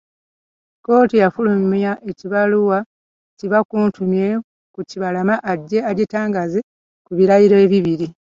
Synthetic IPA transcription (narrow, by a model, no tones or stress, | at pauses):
ko̞ːtijafulumjaʔeciβaluwa | ciβakuːntʰumje | kuciβalamaʔːɟːe̞adetaːŋɡaze | kuβiɾajiɾoeβiβiɾi